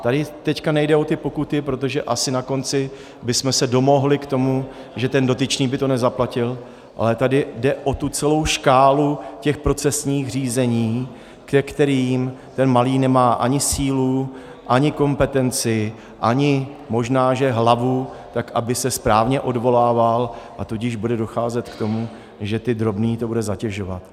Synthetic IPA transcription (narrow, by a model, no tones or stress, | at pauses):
t̪adɪt̪ɛckanɛjdɛo̞t̪ɪpo̞kut̪ɪpɾo̞t̪o̞ʒɛʔasɪnako̞nt͡sɪ | bɪsmɛsɛdo̞mo̞ɦlɪkt̪o̞mu | ʒɛt̪ɛndo̞t̪ɪt͡ʃniːbɪt̪o̞nɛzaplacɪl | ʔa̰lɛt̪adɪdɛʔo̞t̪ut͡sɛlo̞wʃkaːlucɛxpɾo̞t͡sɛsɲiːxriːzɛɲiː | kɛkt̪ɛɾiːmt̪ɛnmaliːnɛmaːʔaɲɪsiːlu | ʔaɲɪko̞mpɛt̪ɛnt͡sɪ | ʔaɲɪ | mo̞ʒnaːʒɛɦlavu | t̪akʔabɪsɛspɾaːvɲɛʔo̞dvo̞laːvalʔat̪uɟɪʒbudɛdo̞xaːzɛt̪kt̪o̞mu | ʒɛt̪ɪd̪ɾo̞bniːt̪o̞budɛzacɛʒo̞va̰t̪